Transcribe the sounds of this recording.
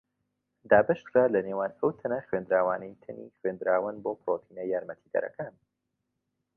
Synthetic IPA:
d̪aːbɐʃt̪kʰɾaːlɐneːwaːnɐwt̪ʰɐnɐxwend̪ɾaːwa̰ːnejt̪ʰɨnḭxweːnd̪ɾaːwənboːpʰɾoːt̪ʰiːnɐjaːɾmɐt̪ʰiːd̪ɐ̰ɾɐ̰kaːn

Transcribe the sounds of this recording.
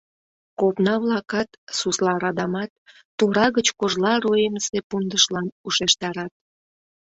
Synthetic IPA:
kopnɑβlɑkɑt̪suslɑɾɑd̪ɑmɑt̪̚ː | uɾɑɣət͡ɕkoʒlɑɾoemsepund̪əʃlɑnuʃeʃt̪ɑɾɑt̪̚

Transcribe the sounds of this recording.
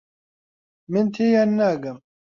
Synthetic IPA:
mɪnt̪ʰeːjaːnːaːɡɐm

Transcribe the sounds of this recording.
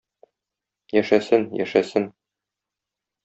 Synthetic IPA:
jæʃæsɘnjæ̰ʃæsɘn

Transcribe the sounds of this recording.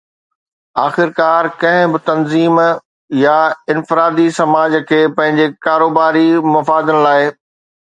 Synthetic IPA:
aːxɪɾkaːɾkɐ̃ɦɪ̃bɪt̪ɐnziːm | jaɪ̃nfɪɾaːd̪isɐmaːd͡ʑkʰeːpɐ̃ɦɪ̃ɲd͡ʑekaːɾoːbaːɾimɐfaːd̪ənɪ̆laːɪ

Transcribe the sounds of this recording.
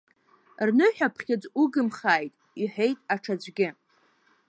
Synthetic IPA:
rnɨħʷᶣapʰχʲɪd͡zuɡɨmχaːjtʼ | iħʷe̞jtʼaʈ͡ʂʰad͡ʒʷɡʲɪ

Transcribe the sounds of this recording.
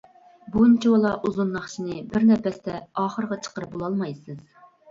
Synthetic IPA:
bunt͡ʃʰiwɑlˠɑʔuzunːɑχt͡ʃʰinɨbɪɾnɛpɛst̪ɛɑːχəɾəʁɑt͡ʃʰə̥qəɾɨp̚bolˠɑlˠmɑjsɨz̥

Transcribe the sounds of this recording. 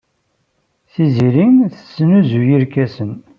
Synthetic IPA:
θiziɾinθə̥sːənuzujiɾkæsən

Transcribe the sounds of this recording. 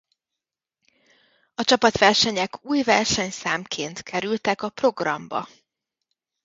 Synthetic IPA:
ɒt͡ʃɒpɒt̪ʋɛrʃɛɲɛkuːjvɛrʃɛɲsaːmkʰeːnt̪kʰɛɾylt̪ɛkɒpro̞ɡrɒ̰mbɒ̰

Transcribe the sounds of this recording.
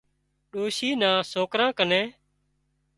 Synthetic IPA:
ɗoːʃiːnãːsoːkɾãːkənẽː

